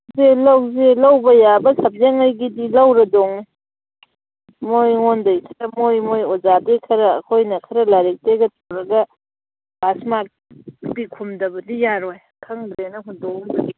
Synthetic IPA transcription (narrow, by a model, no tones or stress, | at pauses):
zelɐwzelɐwbɐjabɐsɐp̚zeŋɐjɡidilɐwɾɐdoŋ | mojŋondɐjkʰɐɾɐmojmojozadekʰɐɾɐ̰ːkʰojnɐkʰɐɾɐlaɾek̚teɡɐtʰowɾɐɡɐ | basmak̚ | bikʰumdɐbɐdijaɾoj | kʰɐŋdɾenɐɦudɔk̚bɐdi